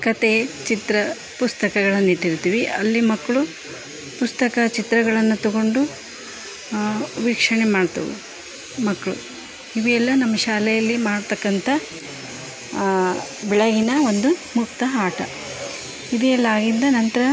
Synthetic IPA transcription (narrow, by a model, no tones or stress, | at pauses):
kɐt̪et͡ʃit̪ɾɐ | pust̪ɐkɐɡɐɭɐnːit̪ːiɾut̪iʋiɐlːimɐkːɐɭu | pust̪ɐkɐt͡ʃit̪ɾɐɡɐɭɐnːut̪ɐɡo̞ɳɖu | ʋiːkʂɐɳemaːɖt̪ɐ̰ʋṵ | mɐkːɐɭṵ | iʋijɛlːɐnɐmːɐʃaːlɛjɐlːimaːɽt̪ɐkːɐnt̪ʰɐ | bɛɭɐɡinɐo̞nd̪umuk̚t̪ɐaːʈʰɐ̰ | id̪ɛɛlːaːɡind̪ɐnɐnt̪ɐɾɐ